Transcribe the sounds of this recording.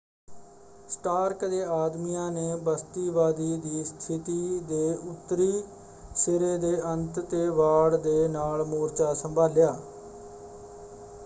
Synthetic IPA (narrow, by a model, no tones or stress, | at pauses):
sʈaːɾkd̪eːaːd̪miːãːneːbəst̪iːʋaːd̪iːd̪iːst̪ʰɪt̪iːd̪eːʔʊt̪ːɾiː | sɪɾeːd̪eːʔənt̪t̪eːʋaːɽd̪eːnaːlmoːɾt͡ʃaːsəmbʱaːljaː